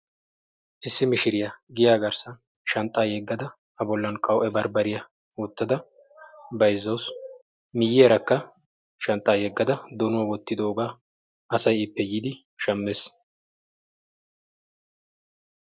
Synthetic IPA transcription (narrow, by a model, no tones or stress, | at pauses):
ʔɪsːɪmɪʃɪɾɪjɐɡɪjaːɡɐɾsɐ | ʃɐnt̪ʼːaːjɛɡːɐd̪ɐ | ɐbɔlːɐnkʼɐwʔɛbɐɾbɐɾɪjɐ | wɔt̪ːɐd̪ɐ | bɐjzːɐws | mɪjɪɛɾɐkːɐ | ʃɐnt̪ʼːaːjɛɡːɐd̪ɐd̪ɔnʊwawɔt̪ːɪd̪oːɡaː | ɐsɐjɪpːɛjid̪ɪ | ʃɐmːes